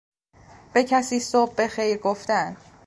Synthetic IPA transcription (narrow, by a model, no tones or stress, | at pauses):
b̥e̞cʰæsiːsoːb̚ːe̞xejɾɡoft̪ænd̪̥